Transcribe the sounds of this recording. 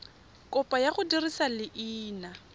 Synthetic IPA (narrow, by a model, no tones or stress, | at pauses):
kʼɔpʼajaχʊdirisalɪʔiːna